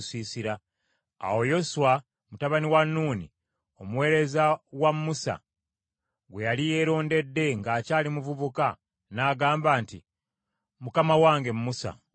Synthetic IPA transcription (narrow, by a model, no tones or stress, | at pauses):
siːsiɾa | a̰wo̞jo̞suwa | mutaβaniwanːuːnḭ | o̞muwe̞ːɾe̞zawamːusa̰ | ɡwe̞jalije̞ːɾo̞ːnde̞dːe̞ŋɡaːcaːlimuvuβuka | naːɡaːmbaːnti | mukamawaːŋɡe̞mumusa̰